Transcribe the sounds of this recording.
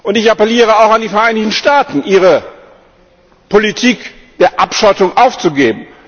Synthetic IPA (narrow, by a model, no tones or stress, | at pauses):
ʔʊntɪçapɛliːʁəaʊxandiːfɛɐʔaɪnɪçtn̩ʃtaːtn̩ʔiːʁə | pʰolitʰiːk | d̥eːɐʔapʃatʊŋʔaʊft͡suɡeːbm̩